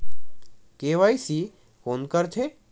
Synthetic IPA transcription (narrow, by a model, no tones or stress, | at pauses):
keʋajsi | konkəɾt̪ʰe